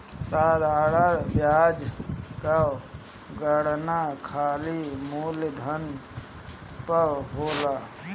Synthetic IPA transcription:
saːd̪ʱaɽəɾbjad͡ʒka | ɡəɽnakʰaːlimuld̪ʱən | pəɦola

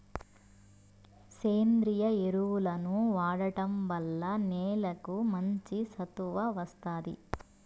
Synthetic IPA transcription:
seːnd̪ɾijɐeɾuwulɐnuʋaːɽɐʈɐmʋɐlːɐneːlɐkumɐɲt͡ʃisɐt̪uʋɐʋɐst̪aːd̪ḭ

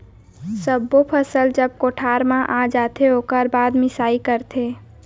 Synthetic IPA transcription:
səbːopʰəsəld͡ʒəb̚koʈʰaɾmãʔad͡ʒat̪ʰeokəɾbad̪mɪsaikəɾt̪ʰe

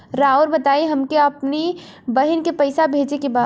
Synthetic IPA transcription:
ɾaːuɾbɐt̪aːiɦɐmkeɐpni | bɐɦɪnkepɐɪsabʱeːd͡ʒekebaː

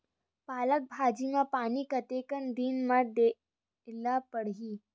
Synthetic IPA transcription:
paːlək̚bʱad͡ʑimãpaniːkət̪ekənd̪iːnməd̪e | lapəɽɦiː

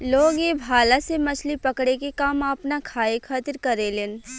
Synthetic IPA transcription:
loːɡebʱaːlasemɐt͡ʃʰlipɐkɽekekaːmaːpnakʰaːekʰaːt̪ɪɾkɐɾeleːn

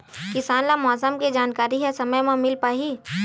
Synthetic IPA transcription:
kɪsaːnlamɔːsəmked͡ʒaːnkaːɾiɦɛsɐməjmãmɪlpaːɦiː

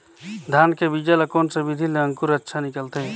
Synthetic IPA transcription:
d̪ʱaːnkebid͡ʒələkoːnsebid̪ʱileə̃ŋkuɾətːʃʰanɪkəlt̪eɦɛ̃

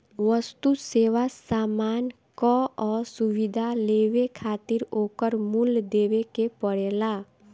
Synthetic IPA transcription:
ʋəst̪useːʋasaːmaːn | kɔɔːɾsʊʋɪd̪ʱaleːʋekʰaːt̪ɪɾoːkəɾmuld̪eːʋekepəɽeːlaː

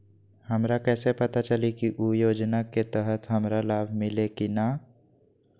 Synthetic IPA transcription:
həmɾakɛːsepət̪at͡ʃəlikiʔujoːd͡ʒnaket̪əɦət̪ɦəmɾalaːbʱmɪlekinaː

